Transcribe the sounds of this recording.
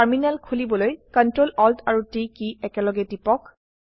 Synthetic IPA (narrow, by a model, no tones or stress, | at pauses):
aɹminalkʰulibɔlojkɔntɹolɔltʰaɹutikiɛkɛlɔɡɛdipɔk